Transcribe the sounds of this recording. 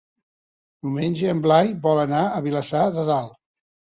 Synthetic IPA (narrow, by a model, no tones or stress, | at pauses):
d̪̥umenʲʒəːmblajbɔlənaəβiləsaðəðalˠ